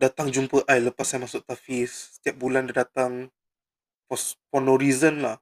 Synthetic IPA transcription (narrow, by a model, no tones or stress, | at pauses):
dat̪aŋd͡ʒumpəʔajləpasaamasʊk̚t̪afisə̥t̪iap̚bulandadat̪aŋ | fɔsfɔnɔɾizənlah